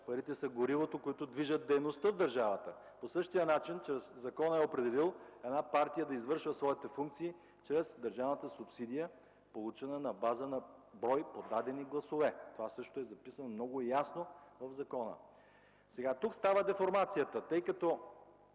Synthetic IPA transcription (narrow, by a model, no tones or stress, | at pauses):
pɐɾit̪ɛsɐɡoɾivot̪okoit̪ʊd̪viʒət̪̚d̪ɛjnost̪əvd̪ɐɾʒavət̪ə | posɤʃt̪ijənat͡ʃint͡ʃɾɛszɐkɔnəɛopɾɛd̪ɛlilˠɛd̪napaɾt̪ijəd̪ɐizvɤɾʃvəsvɔit̪ɛfuŋk̚t̪siː | t͡ʃɾɛzd̪ɐɾʒavnət̪əsʊpsid̪ijə | polˠut͡ʃɛnənɐbazənɐbɾɔjpod̪ad̪ɛniɡlˠɐsovɛt̪ovasɤʃt̪oɛzɐpisənmnɔɡʊjasnovɐvzɐkɔnə̰ | sɛɡat̪ukst̪avəd̪ɛfoɾmat̪sijət̪ət̪ɤjkɐt̪o